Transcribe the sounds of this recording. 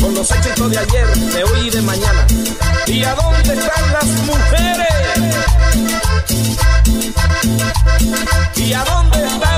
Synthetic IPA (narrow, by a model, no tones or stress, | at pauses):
konoset͡ʃet̪oðeaʎeɾ | ɛojðemãɲãn | iaðond̪est̪aŋlazmuxeɾes | iaðond̪est̪a